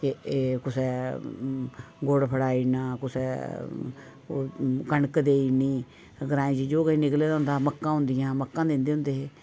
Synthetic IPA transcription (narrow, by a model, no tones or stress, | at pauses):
keeːkʊsɛː | ɡoːɽpʰəɽaːiːnãːkʊsɛː | kəɳəkd̪eːiːniː | əɡəɾãːĩd͡ʒiːd͡ʒoːkəĩnɪkleːd̪aʊ̃nd̪aːməkːãːɦʊ̃nd̪ɪjãːməkːãːd̪ẽːnd̪eːʊ̃nd̪eːɦeː